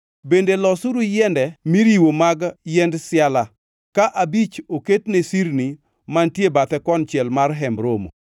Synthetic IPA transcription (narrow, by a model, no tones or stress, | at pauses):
bendelɔsuɾujɛndɛmiɾiwomaɡjɛndsɪala | kaʔabit͡ʃoketnesiɾni | mantjebat̪ɛkɔnt͡ʃɛlmarɦɛmɾomo̰